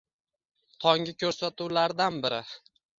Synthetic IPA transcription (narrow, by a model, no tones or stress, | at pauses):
t̪ʰɒŋɡʲɪkʲʰɵɾsat̪uwlaɾd̪anbɪɾɪ